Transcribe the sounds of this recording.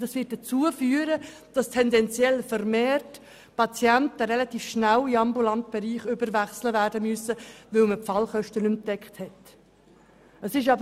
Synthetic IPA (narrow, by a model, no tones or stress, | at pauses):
dɑsʋɪt̚d̥ət͡suəfyːəɾə | d̥ɑstʰɛndɛnt͡sjɛlfəɾmeːrt | pɑt͡sjæntəɾɛlɑtiːfʃnæliɑmbulɑnt̚b̥ɛɾiːχʏbəɾʋæχsləvæːrdəməsəʋɵlməpfɑlχœʃtənʏmd̥ɛkχthɛt | əsɪʃ̬ɑb